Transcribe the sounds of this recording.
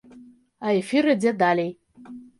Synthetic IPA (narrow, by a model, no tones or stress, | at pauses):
aefiɾɨd͡zʲed̪alʲej